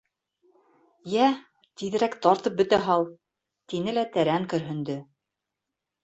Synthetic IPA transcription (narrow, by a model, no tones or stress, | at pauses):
jæ | t̪iðɘ̆ɾækt̪ɑɾt̪ɤp̚bɵ̆t̪æɦɑlˠ | t̪inɘlæt̪æɾæŋkɵ̆ɾɦɵ̆nd̪ɵ